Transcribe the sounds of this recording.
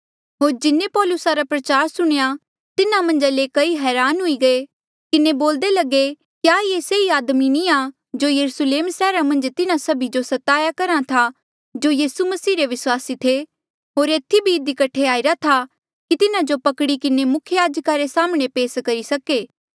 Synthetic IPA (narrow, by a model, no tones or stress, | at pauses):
ɦoːɾd͡ʒɪnːepɔːlʊsaɾapɾɐt͡ʃaːɾsʊɽ̃eja | t̪ɪnamɐ̃nd͡ʒalekɐiɦɛːɾaːnɦʊiɡɐe | kɪneboːld̪elɐɡe | kjaːieseiaːd̪minĩa | d͡ʒoːjɐɾusleːmsɛːɾamɐ̃nd͡ʒt̪ɪnãsɐbʱid͡ʒosɐt̪aːjakɐɾãt̪ʰa | d͡ʒoːjiːsumɐsiːɾeʋɪswaːsit̪ʰe | ɦoːɾeːt̪ʰibʱiɪd̪ikɐʈʰːeaːɪɾat̪ʰa | kit̪ɪnad͡ʒopɐkɽikɪnemʊkʰjəjaːd͡ʒkaɾesaːmɽ̃epeːskɐɾisɐkeː